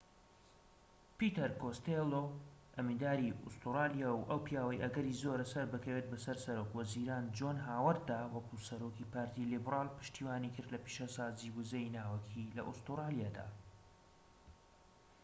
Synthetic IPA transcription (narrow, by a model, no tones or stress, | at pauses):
pit̪ɐɾkost̪eloʔɐmid̪aːɾiʊ̰st̪uɾaːlijawʔɐwpjaːwɐjʔɐɡɐɾizoɾɐsɐɾbɨkʰɐweːt̪̚bɐsɐɾsɐɾoːkwɐziɾaːnd͡ʒoːnɦaːwɐɾd̪awɐkusɐɾoːkipaːɾt̪ilibraːlpɨ̥ʃt̪iːwaːnikʰɨɾd̪lɐpiʃasaːziwʊzejnaːwɐkʰilɐ̰ʔust̪uɾaːlijaːd̪a̰ː